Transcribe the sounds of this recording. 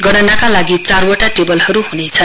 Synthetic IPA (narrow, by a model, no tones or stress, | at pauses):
ɡʌɽanakalaɡit͡sarwʌʈaʈebʌlɦʌɾuɦunet͡sʰʌn